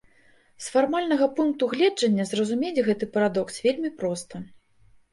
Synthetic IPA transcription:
sfarmalʲnɐɣɐpunk̚t̪uɣlʲɛd͡ʐɐnʲːɐzrɐzumʲelʲɣɛt̪ɨpɐɾad̪ɔksvʲelʲmʲipɾɔst̪ɐ

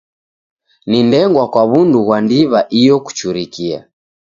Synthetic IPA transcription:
nindɛŋɡwakwaβunduɣwandiβaʔijɔku̥t͡ʃuɾikia̰

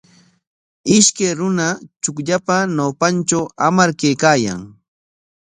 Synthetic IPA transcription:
ɪʃkajɾʊnat͡ʃʊkʎapanawpant͡ʃawamaɾkejkaːja̰ŋ

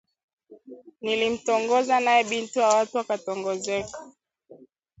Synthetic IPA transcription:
nilim̩tɔŋɡɔzanajɛɓintujawatuwakatɔŋɡɔzɛkḁ

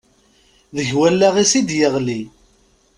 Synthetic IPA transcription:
ðəʝwælːæʁisid̪jəʁli

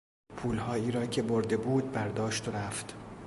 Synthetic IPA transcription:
pʰuːlhɒːiːɾɒːcʰe̞boɾd̪e̞buːd̪̚bæɾd̪ɒːʃt̪oɾæft̪

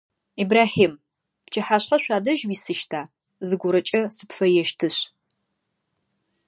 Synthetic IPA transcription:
iːbraːħiːm | pt͡ʃʰɐħaɕχɐɕʷaːdɐʒwiːsɨʃtʰaː | zɨɡʷʊɾɐt͡ʃʼɐsɨpfɐjɛʃtʰɨɕ

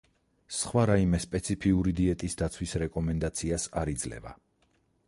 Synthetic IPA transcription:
sχwaɾaimɛspʼɛt̪sʰipʰiuɾid̪iɛt̪ʼisd̪at̪sʰwisɾɛkʼɔmɛnd̪at̪sʰiasaɾid̪zlɛ̰va̰

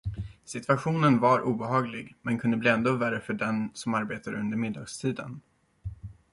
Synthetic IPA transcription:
sɪt̪vaɧuːnənvaɾʔuːbɛɦɑːɡlɪɡmɛnkʰɵnd̪əbliːɛnd̪oːvæɾəfœɖɛnsɔmaɾbeːt̪aɾɵnd̪əɾmɪd̪ːɑːɡst̪ʰiːd̪ə̰n

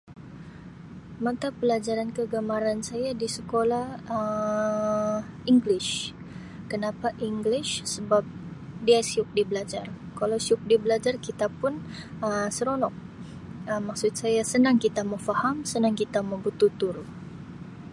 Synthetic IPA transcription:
mat̪apəlad͡ʒaɾankəɡamaɾansajadisəkolahə | iŋɡlɪʃ | kənapaʔiŋɡlɪʃsəbap̚diasiʊk̚dibəlad͡ʒarkalawsiʊk̚dibəlad͡ʒarkit̪apʊnəsəɾonɔk̚ | əmaksʊt̪̚sajasənaŋkit̪aməfahamsənaŋkit̪aməbut̪ut̪ʊr

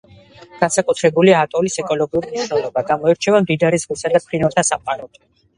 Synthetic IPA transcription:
ɡ̥ansakʼut̪ʰɾɛbuliaːt̪ʼɔlisɛkʼɔlɔɡiuɾimiʃnɛlˠɔbaɡamɔɛɾt͡ʃʰɛvamd̪id̪aɾizʁisad̪apʰɾinaɾt̪ʰasamqʼaɾɔd̪

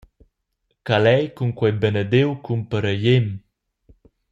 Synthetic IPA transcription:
kalɛjkuŋkwɛjbənəd̪ewkumpəɾəjem

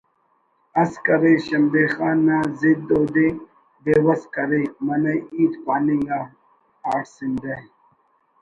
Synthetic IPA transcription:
ɐskɐɾeɕɐmbexaːnːaːzid̪oːd̪e | beːwɐskɐɾemɐnɐiːt̪paːnijaː | aːʈsind̪e

